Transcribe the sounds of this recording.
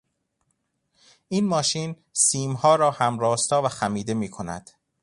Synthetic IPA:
ʔiːnmɒːʃiːn | siːmhɒːɾɒːhæmɾɒːst̪ɒːvæxæmiːd̪e̞miːkʰo̞næ̰d̪̥

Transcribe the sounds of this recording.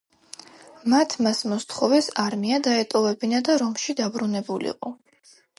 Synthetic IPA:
mat̪ʰmasmɔst̪ʰχɔvɛsaɾmiad̪aɛt̪ʼɔvɛbinad̪aɾɔmʃid̪abɾunɛbulḭqʼɔ

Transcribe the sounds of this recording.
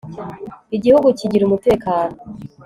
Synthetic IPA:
iɟihuɡuciɟiɾumute̞ːkaːno̞

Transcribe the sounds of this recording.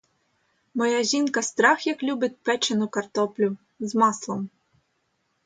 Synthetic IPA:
mɔjaʒʲinkɐst̪ɾɑxjɐklʲubɪt̪̚ʲpɛt͡ʃenʊkɐrt̪ɔplʲʊ | zmɑslˠɔm

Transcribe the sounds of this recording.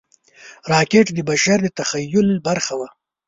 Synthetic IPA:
ɾɑːkeʈd̪əbaʃaɾd̪ət̪axajːʊlbaɾxawa

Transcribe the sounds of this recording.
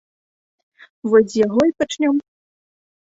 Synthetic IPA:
vɔzʲjaɣɔipat͡ʂnʲɔm

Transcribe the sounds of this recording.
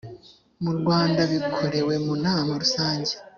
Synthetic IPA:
muɾɡwaːndaβikʰo̞ɾe̞we̞munaːmaɾusaːɲɟe

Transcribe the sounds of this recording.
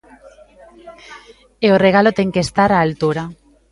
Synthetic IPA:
eoreɣ̞alot̪eŋkest̪aɾaːlt̪uɾa

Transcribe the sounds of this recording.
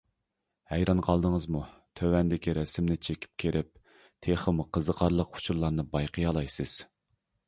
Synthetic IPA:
hɛjɾɑnqʰɑlˠd̪əŋəzmut̪ʰøwɛnd̪ɪkʲʰiɾɛsɪmnɪt͡ʃʰekʲʰi̥p̚kʲʰeɾʔɪp̚ | t̪ʰeχəmqʰəzəqʰɑɾlˠəqʊ̥t͡ʃʰuɾlˠɑɾnɨbɑjqʰəjɑlˠɑjsɨz̥

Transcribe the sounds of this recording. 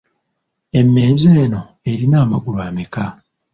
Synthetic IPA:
e̞mːe̞ːzeːno̞ | e̞ɾinaːmaɡulwaːmeka

